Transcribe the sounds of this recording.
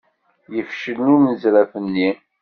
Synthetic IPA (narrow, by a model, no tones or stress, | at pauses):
jəfʃəlnʊɾnəzɾæfənːi